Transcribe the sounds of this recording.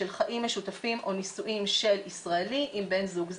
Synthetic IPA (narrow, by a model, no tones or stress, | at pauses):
elχaʔimːeʃutafimʔo̞nisuʔimʃe̞lisʁaeliʔimbe̞nzuɡz